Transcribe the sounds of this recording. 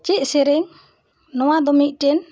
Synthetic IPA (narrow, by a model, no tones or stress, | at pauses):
t͡ʃɛʔ̪̚sɛɾɛŋ | nɔwad̪ɔmik̚ʈɛn